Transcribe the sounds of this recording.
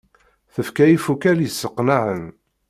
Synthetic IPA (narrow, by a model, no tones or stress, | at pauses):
θəfkæjifukæljəsːəqːnaʕən